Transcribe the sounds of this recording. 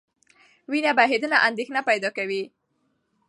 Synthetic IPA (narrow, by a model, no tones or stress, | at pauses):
winabaɦed̪ənaʔand̪exnapajd̪ɑkawi